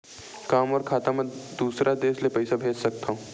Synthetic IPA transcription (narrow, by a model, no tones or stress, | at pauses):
kaːmɔːɾkʰaːt̪amẽd̪uːsɾad̪eːslepɛɪsabʱeːd͡ʒsɐk̚t̪aũː